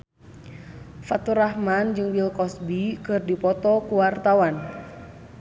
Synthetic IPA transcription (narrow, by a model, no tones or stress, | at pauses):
fat̪uɾahmand͡ʒɨŋwilkɔsbikɨrdipɔt̪ɔkuwart̪awan